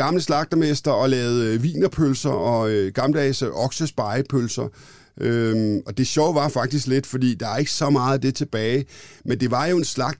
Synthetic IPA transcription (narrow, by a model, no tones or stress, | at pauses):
ɑ̈mləslɑ̈ɡ̥̚d̥ɐmesd̥ɐɒ̽lɛːʊð̞̩ˠʋḭːnɐpʰølsɐɒ̽øɡ̥ɑ̈ml̩əd̥ɛːsʔɒ̽ɡ̥səsb̥ɑ̈ɪpʰølsɐ | ʔøɒ̽d̥e̝ɕɒʊ̰ʋɑ̈fɑ̈ɡ̥̚d̥isɡ̥le̝d̥fɒ̽d̥ḭːd̥ɑ̈ʋɑ̈e̝ɡ̥əsɒ̽mɑ̈ːð̩ˠd̥e̝t͡sʰe̝b̥ɛːɪmend̥e̝ʋɑ̈jo̝e̝nslɑ̈ɡ̥̚d̥